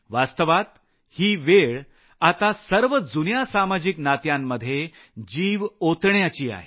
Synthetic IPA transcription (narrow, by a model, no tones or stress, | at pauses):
ʋast̪əʋat̪ | hiːʋeɭ | at̪asəɾʋəd͡zunjasamad͡ʑiknat̪jamːəd̪ʱːje | d͡ʑiːʋot̪ɳjat͡ɕiːa̰ɦe